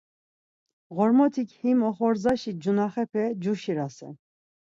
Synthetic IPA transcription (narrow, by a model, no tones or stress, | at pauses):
ʁɔɾmɔt̪ʰikhimɔχɔɾzaʃid͡ʒunaχɛpʰɛd͡ʒuʃiɾasɛ̰n